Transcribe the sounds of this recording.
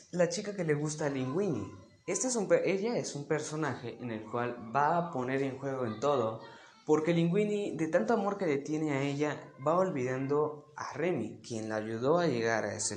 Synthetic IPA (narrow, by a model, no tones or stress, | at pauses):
lat͡ʃikake̞le̞ɣust̪aːliŋɡwinḭ | est̪eesumʔeʝaesumpe̞ɾso̞naxeʔene̞lkwalbaːpone̞ɾeŋxwe̞ɣoent̪o̞ðo | poɾkeliŋɡwinid̪e̞t̪ant̪oamo̞ɾke̞le̞t̪je̞neaeʝaβaolβiðand̪o̞aremikje̞nlaːʝuðo̞aʝeɣaɾa̰ese